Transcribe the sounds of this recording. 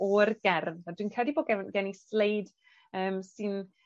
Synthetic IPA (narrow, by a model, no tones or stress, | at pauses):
ɔrɡɛrðadwiːnkʰrɛdiboːd̚ɡɛnɡɛnislejd | əːmsɨn